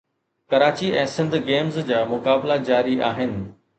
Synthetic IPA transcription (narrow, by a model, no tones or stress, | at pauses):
kɐɾaːt͡ɕiʔɛ̃ːsɪ̃nd̪ʱɡeːmzd͡ʑaːmʊkaːblad͡ʑaːɾiʔaːɦɪnɪ̆